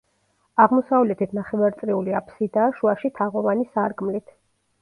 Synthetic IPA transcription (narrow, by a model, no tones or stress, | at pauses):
aʁmɔsavlɛt̪ʰit̪ʰnaχɛvaɾt̪sʼɾiuliapʰsid̪aːʃuaʃit̪ʰaʁɔvanisaɾɡmlit̪ʰ